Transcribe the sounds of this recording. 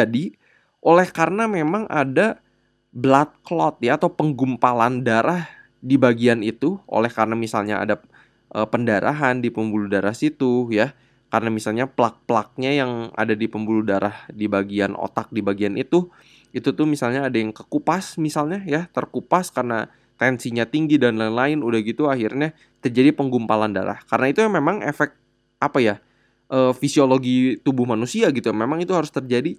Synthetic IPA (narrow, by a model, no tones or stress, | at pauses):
d͡ʒadi | ʔolɛhkarənamemaŋʔa̰da | blat̪̚klɔt̪̚jaːt̪awpəŋɡumpalandaɾah | dibaɡianit̪uo̰lɛhkarənamisa̰lɲaa̰da | ʔəpəndaɾa̰ɦandipəmbuludaɾahsit̪uja | karənamisalɲaplak̚pəlak̚ɲajaŋa̰dadipəmbuludaɾahdibaɡiano̰t̪ak̚dibaɡianit̪u | it̪ut̪ʊhmisalɲaːdajaŋkəkupasmisalɲajat̪ərkupaskarəna̰ | t̪ɛnsiɲat̪iŋɡidanlaɪnlaɪnudahɡit̪uahirɲa | t̪ərd͡ʒadipəŋɡumpalanda̰ɾa̰hkaɾənait̪umemaŋefɛk̚t̪̚ | ʔapaja | ʔəːfisioloɡit̪ubʊhmanusiaɡit̪ujamemaŋit̪uɦaɾʊst̪ərd͡ʒadi